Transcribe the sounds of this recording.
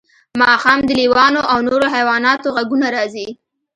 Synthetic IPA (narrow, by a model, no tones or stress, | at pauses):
mɑxɑmd̪əliwɑnoʔawnoɾoɦajwɑnɑt̪oɣaɡunaɾɑzi